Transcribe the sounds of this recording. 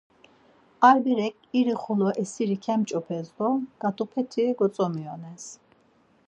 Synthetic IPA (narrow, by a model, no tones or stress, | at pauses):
aɾbiɾɛkʼiɾiχulɔʔɛsiɾikʰɛmt͡ʃʼɔpʰɛzd̪ɔɡ̥at̪ʼupʰɛt̪ʰiɛɡɔsʼɔmiɔnɛs